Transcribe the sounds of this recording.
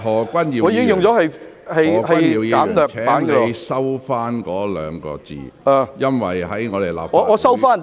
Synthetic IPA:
ɦɔː˨˩kʷɐ˥njiː˨˧ŋːɔ˨˧jkɪ˥ŋjʊ˨ŋt͡sɔː˨˥hɐ˨j | hɐ˨jhɐ˨ɐ˥jniː˧wji˧kaː˨˥mt̪œː˨kt͡ʃʰɛː˦aː˥˨˥ŋnkɔ˧˨˧jsɐ˥wfaː˥nkɔː˨˥lœ̰ː˨˧ŋkɔ̰ː˧t͡sḭː˨aː˨˩jɐ˥nwɐ̰˨jɦɐ˨˥jŋɔː˨˧d̪e˨˩jla̰ː˨p̚ɔː˨˧˨ɔː˨˧sɐ˥wfaː˥n

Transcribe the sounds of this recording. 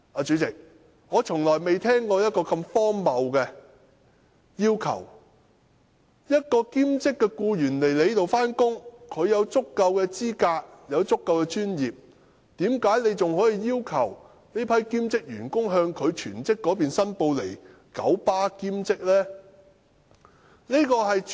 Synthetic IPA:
ʔaː˨˧t͡ʃyː˨˧t͡sɪ˨k̚ | ŋɔː˨˧t͡ʃʰʊ˨˩ŋlɔː˨˩jme˨jt̪ʰɛː˥ŋkɔː˧jɐ˥t̚kɔː˧kɐ˧mfɔː˥ŋmɐ˨˧wkɛ˧ | jiː˥wkʰɐ̰˨˩w | jɐ˥t̚kɔː˧kiː˥mt͡sɪ˥kːɛː˧kuː˧jyː˨˩nle˨˩jle˨˧jt̪o˨wfaː˥nkʊ˥ŋkʰɵ˨˧ɥjɐ˨˧wt͡sʊ˥kːɐ˧wkɛː˧t͡siː˥kaː˧k̚jɐ˨˧wt͡sʊ˥kːɐ˧wkɛː˧t͡ʃyː˥njiː˨p̚ | t̪iː˨˥mkaː˨˥jne˨˧jt͡sʊ˨ŋhɔː˨˥jiː˨˧jiː˥wkʰɐ˨˩w | ne˥pʰɐ˨˥jkiː˥mt͡sɪ˥k̚jy̰ː˨˩nkʊ˥ŋɦœː˧ŋkʰɵ˨˧ɥt͡ʃʰyː˨˩nt͡sɪ˥kːɔː˨˥p̬iː˨nsɐ˥npo˧wle˨˩j | kɐ̰˨˥wpaː˥kiː˥mt͡sɪ˥k̚lɛː˥ | niː˥kɔː˧ɦɐ˨j

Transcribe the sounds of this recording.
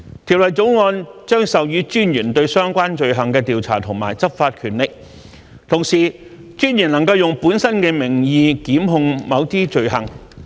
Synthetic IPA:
t̪ʰi˨˩wlɐ˨jt͡so˨˥wŋɔː˧nt͡ʃœː˥ŋsɐ˨wjyː˨˥t͡ʃyː˥njyː˨˩nt̪ɵ˧ɥsœː˥ŋkʷaː˥nt͡ʃɵ˨ɥɦɐ˨˩ŋkɛː˧t̪iː˨wt͡sʰa̰ː˨˩t̪ʰʊ˨˩ŋma̰ː˨˩jt͡sɐ˥p̚faː˧t̚kʰyː˨˩nlɪ˨k̚ | t̪ʰʊ˨˩ŋsiː˨˩ | t͡ʃyː˥njyː˨˩nlɐ˨˩ŋkɐ˧wjʊ˨˩ŋpuː˨˥nsɐ˥nkɛː˧mɪ˨˩ŋjiː˧kiː˨˥mɦʊ˧ŋmɐ˨˧wt̪iː˥t͡ʃɵ˨˧ɥɦɐ˨˩ŋ

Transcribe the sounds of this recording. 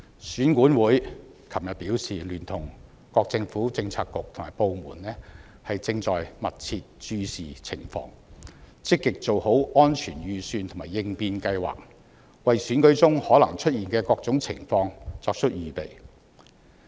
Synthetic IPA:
syː˨˥nkuː˨˥nwuː˨˥j | kʰɐ˨˩mjɐ˨t̚piː˨˥wsiː˨lyː˨˩nt̪ʰʊ˨˩ŋ | kɔː˧k̚t͡sɪ˧ŋfuː˨˥t͡sɪ˧ŋt͡sʰaː˧kːʊ˨k̚t̪ʰʊ˨˩ŋmaː˨˩jpo˨wmuː˨˩nlɛː˥ | hɐ˨jt͡sɪ˧ŋt͡sɔː˨jmɐ˨t̚t͡sʰiː˧t̚t͡ʃyː˧siː˨˩t͡sʰɪ̰˨˩ŋfɔ̰ː˧ŋt͡sɪ˥kːɪ˨k̚t͡so˨who˨˥wɔː˥nt͡ʃʰyː˨˩njyː˨˩syː˧nt̪ʰmaː˨jɪ˧ŋpiː˧nkɐ˧jwa̰ː˨˩k̚ | wɐ˨jsyː˨˥nkɵ˨˥ɥt͡sʊ˥ŋhɔː˨˥lɐ˨˩ŋt͡ʃʰɵ˥t̚jiː˨nkɛː˧kɔː˧k̚t͡sʊ˨˥ŋt͡sʰɪ̰˨˩ŋfɔː˧ŋt͡sɔː˧k̚t͡ʃʰɵ˥t̚jyː˨˩pe˨j

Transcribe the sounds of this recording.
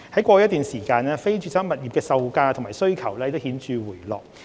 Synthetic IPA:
hɐ˨˥jkʷɔː˧jɐ˥t̪̚yː˨nsiː˨˩kaː˧nɛː˥fe˥jt͡ʃyː˨˧saː˥mɐ˨t̚jiː˨p̚kɛː˧sɐ˧wkaː˧t̪ʰŋmaː˨˩jsɵ˥ɥkʰɐ˨˩wlɛː˥˧t̪o˥whiː˨˥nt͡ʃyː˨˧wuː˨˩jlɔ̰ː˨˩k̚

